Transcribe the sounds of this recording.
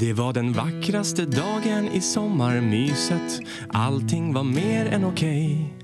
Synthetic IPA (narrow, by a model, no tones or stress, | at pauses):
d̪̥ɛvaɖɛnvakːɾast̪əd̪ɑːɡənɪsɔmːaɾmyːsət̪ | ʔa̰lt̪ʰɪŋːvaɾmeːɾɛnʊkʰɛj